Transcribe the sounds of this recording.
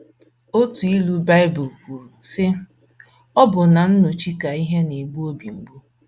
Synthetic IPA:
o˦tu˨i˦lu˦ba˦ɪ˦bʊ˨kʷu˨ɾu˨sɪ˦ | ɔ˦bʊ˨na˨n̩˦nʊ˨t͡ʃi˦ka˨i˦ɦe˦ne˨ɡ͡bu˦o˦bi˨ŋ͡m̩˨ɡ͡bu˦

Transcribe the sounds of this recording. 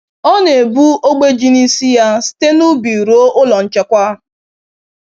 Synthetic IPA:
ɔ˦ne˨bu˦o˦ɡ͡be˦d͡ʒi˦ni˦si˦ja˦si̥˦te˦nu˦bi˨ɾo˦ʔʊ˦lɔ˨n̩˨t͡ʃe˦kʷa˦

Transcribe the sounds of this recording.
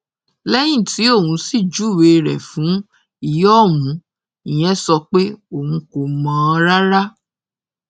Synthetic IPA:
lɛ˦j̃ĩ˦˨ti˨˦o˦˨wũ˧˦si˦˨d͡ʒu˨˦˨we˧ɾɛ˨fũ˨˦ | i˦˨jɔ˦˨mũ˨˦ | i˨j̃ɛ̃˦sɔ˧k͡pe˦o˦˨ũ˧˦ko˨mã˦˧ɾa˦ɾa˦

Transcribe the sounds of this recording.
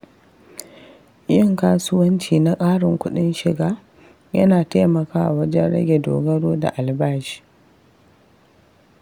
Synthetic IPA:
jɐ˦˨ŋkaː˦sʊ˦wɐ˦nt͡ʃiː˨na˦kʼaː˦ɽɪ˨ŋkʷʊ˦ɗɪ˦nʃɪ˨ɡaː˦ | jɐ̰˦naː˨taː˦mɐ˨kaː˦ʔa˨wɐ˦d͡ʒɛ˦nɽɐ̰˦ɡʲe˨do̰ː˨ɡɐ˦ɽoː˦da̰˨ʔa˨lbaː˦ʃi̥ː˨

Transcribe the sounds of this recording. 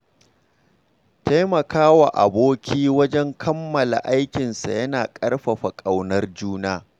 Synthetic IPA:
ta˦jmɐ˨kaː˦wa˨ʔa̰˨boː˦kʲʰiː˦wɐ˦d͡ʒɛ˦ŋkʰɐ˦mːɐ˨la̰˨ʔa˦jkʲɪ˨nsa̰˨jɐ˦naː˨kʼɐ˦ɽɸɐ˨ɸa˨kʼa˨wnɐ˦rd͡ʒuː˦naː˦

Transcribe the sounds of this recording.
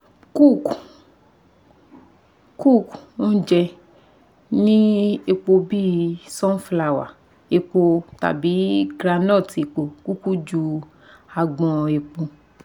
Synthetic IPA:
ku˦˨k | ku˦˨ko˦d͡ʒɛ˧ | nĩ˦e˧k͡po˧bi˦˨sɔ̃˦fla˨wa̰˨ | e˧k͡po˧ta̰˨bi˨˦ɡɾa˧nɔ̃˦˨te˨k͡po˨ku˦ku˦d͡ʒu˧ | a˧ɡ͡bɔ̃˧e˧k͡po˧

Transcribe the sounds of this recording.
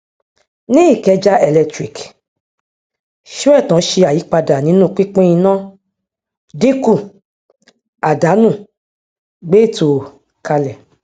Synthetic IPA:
nĩ˦i˦˨kɛ˧d͡ʒa˦ʔɛ˧˨lɛ˧tɾi˨k | ʃu˦ɛ˦˨tã˨˦ʃe˧a˨ji˨˦k͡pa˧da˨nĩ˨˦nũ˦˨k͡pi˦k͡pĩ˦ĩ˧nã˦ | de˦ku˦˨ | a˨da˨˦nũ˦˨ | ɡ͡be˦˨to˨ | ka˧lɛ˨

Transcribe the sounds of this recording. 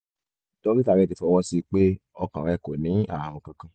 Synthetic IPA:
tõ˦i˦ta˨ɾɛ˦˨ti˧˦fɔ˨˧˦wɔ˦si˧k͡pe˦ɔ˧kã˨ɾɛ˦˨ko˨nĩ˨˦a˦˨a˨w̃ɔ̃˧kã˧kã˧

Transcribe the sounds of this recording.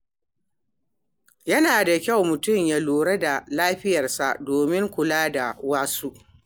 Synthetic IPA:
jɐ˦naː˨da˨kʲa˦˨wmʊ˨tʊ˦˨mja˦luː˨ɾɐ˦da˨laː˦ɸɪ˦jɐ˨rsa̰˨ʔdoː˨mɪ˦ŋkʷʊ˨laː˦da˨waː˦su˦ʔ

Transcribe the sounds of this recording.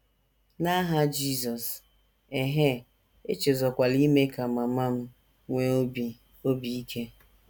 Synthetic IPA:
na˦ɦa˦d͡ʒi˦˨zɔ˨s | e˨ɦe˦ | e˦t͡ʃe˨zɔ˨kʷa˨li˦me˦ka˨ma˨ma˦m̩˦ | ŋʷe˦˨ | o˦bi˨i˦kʰe˦

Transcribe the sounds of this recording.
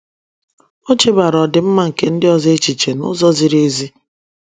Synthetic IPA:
o˦t͡ʃe˦ba˨ɾɔ˨dɪ˨m̩˦ma˦ŋ̩˨ke˦n̩˦dɪ˦ɔ˨ze˦t͡ʃi˨t͡ʃe˨nʊ̰˦zɔ˦zi˨ɾe˦zi˦

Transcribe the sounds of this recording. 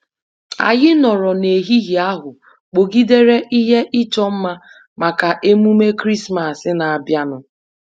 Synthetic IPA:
a̰˨ɣɪ˦nɔ˨ɾɔ˨ne˨ɦi˦ɦi˨a˦ɦʊ˨ | k͡po˨ɡi˦de˦ɾe˦ʔi˦ɦe˦ʔɪ˦t͡ʃɔ˦m̩˦ma˦ | ma˨ka˨ʔe˦mu˦me˦kɾi˦sma˨sɪ˦na˨a˨bja˦nʊ˨

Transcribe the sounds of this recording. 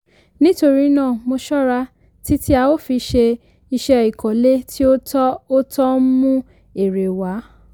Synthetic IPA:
nĩ˦to˧ɾi˦˧˦nãː˦˨mo˧ʃɔ˦ɾa˧˦ | ti˦ti˦a˧wo˦fi˧ʃe˧ | i˧ʃe˧ɔ˨i˨kɔ̃˨le˦ti˦o˦o˦tɔ˦mũ˦ | e˨ɾe˨wa˨˦

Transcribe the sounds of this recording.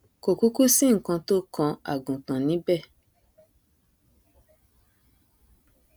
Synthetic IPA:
ko˨ku˦ku˦sĩ˦ŋ̩˨kã˧to˦kɔ̃˧a̰˨ɡũ˨kã˨nĩ˨˦bɛ˦˨

